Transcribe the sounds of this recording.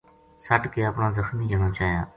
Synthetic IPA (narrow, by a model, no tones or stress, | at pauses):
səʈkeːəpɳãːzəxmiːd͡ʒʱəɳãːt͡ʃaːɦjã̰ː